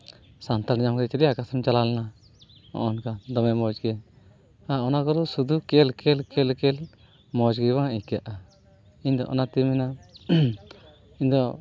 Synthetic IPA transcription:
sant̪aɾnd͡ʒamkd̪ɛt͡ʃaɾiakasɔnt͡ʃalalɛna | ɔ̰ʔɔnkad̪ɔmɛmɔd͡ʒɡɛɲ | aɔnakɔd̪ɔsud̪ukɛlkɛlkɛlkɛl | mɔd͡ʒɡɛbaŋikjaʔa | iɲd̪ɔ̰ʔɔ̰nat̪imɛna | iɲd̪ɔ

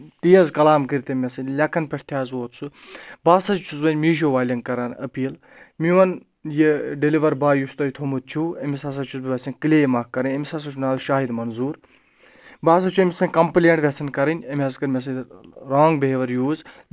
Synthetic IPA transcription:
t̪ijɐzkɐlaːmkiɾʲt̪emʲɐsɐnlʲɐkɐnpʲeʈʰt̪ʰjaːzʋoːt̪sʰubaːsɐt͡ʃʰuzbɐnʲmiːʃ̬oːʋaːlʲɐŋkɐɾɐnɐ̰piːl | miʋɐn | jiɖeliʋɐɾbaːjust̪ɐjit̪ʰomut̪̚t͡ʃʰuɐmisɐs̬ɐt͡ʃʰuzbiʋʲɐsɐnʲkɨleːjmaːkːɐɾɐnʲɐmʲisas̬ɐt͡ʃʰunaːlʃaːɦid̪mɐnzuːɾ | baːs̬ɐt͡ʃʰuemʲisɐnʲkɐmplʲeɳʈʋʲesɐnkɐɾɐnʲɐmʲɐzkɐɾmʲes̬ɐnɾaːŋɡbeɦeʋɐɾjoːz

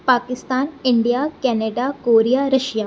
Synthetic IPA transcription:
paːkɪst̪aːnɪɳɖijaːkɛːneːɖakoːɾijaːɾɐʃjaː

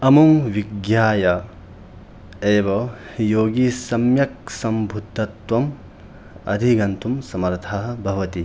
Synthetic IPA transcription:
ɐmuŋʋiɡjaːjɐ | eːbɐjoːɡisɐmjɐk̚sɐmbʱud̪ʱːɐt̪wɐm | ɐ̰d̪ʱiɡɐnt̪ʰumsɐmɐɾt̪ʰaɦɐ̆bʱɐʋɐt̪i

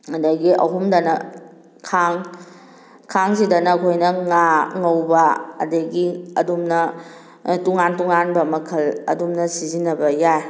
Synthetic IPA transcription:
ɐdɐɡiʔɐ̰ɦumdɐnɐ | kʰaŋ | kʰaŋsidɐnɐːkʰojnɐŋaŋɐwbɐɐ̰dɐɡiɐdumnɐ | tuŋantuŋanbɐmɐkʰɐlɐ̰dumnɐsizinːɐbɐjaj

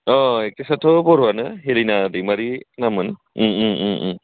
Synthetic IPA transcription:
ɔek̚tesatʰɔpɔɾuwanɯɦelinadimaɾinamɯn

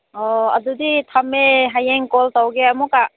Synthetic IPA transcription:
ɔɐ̰duditʰameɦajeŋkɔltawɡeɐmuka

